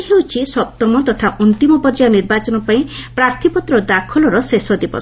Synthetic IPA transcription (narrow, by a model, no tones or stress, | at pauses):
ɦewt͡ʃʰisɔp̚t̪ɔmɔt̪ɔt̪ʰaʔunt̪imɔbɔɾd͡ʒaniɾbat͡ʃɔnɔpaĩpɾaɾt̪ʰipɔt̪ɾɔd̪akʰɔlɔɾɔsesɔd̪ibɔ̰